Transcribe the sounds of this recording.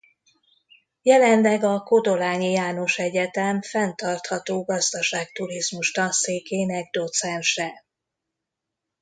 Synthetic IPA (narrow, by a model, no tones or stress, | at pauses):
jɛlɛnlɛɡɒko̞d̪o̞laːɲijaːno̞ʃɛɟɛt̪ɛmfɛnt̪ɒrt̪hɒt̪oːɡɒzd̪ɒʃaːk̚t̪uɾizmuʃt̪ɒseːkeːnɛɡ̚d̪o̞t̪sɛnʃɛ